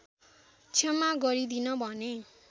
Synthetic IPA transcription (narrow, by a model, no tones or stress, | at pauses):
t͡sʰemaɡʌɾid̪inʌbʱʌne